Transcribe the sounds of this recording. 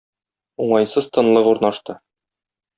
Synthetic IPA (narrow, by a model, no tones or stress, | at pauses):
uɴɑjnsɤz̥t̪ʰɤ̆nlˠɤquɾnɑʃt̪ɤ